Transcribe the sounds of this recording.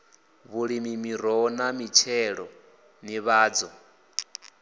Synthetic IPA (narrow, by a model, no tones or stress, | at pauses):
βuɺimimiɾ̤ɔnamit͡ʃʰɛɺɔ | niβaːd͡zɔ